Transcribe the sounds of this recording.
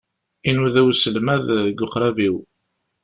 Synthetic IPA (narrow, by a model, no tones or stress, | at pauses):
inuðæwsəlmæðɡʊqɾˤæviw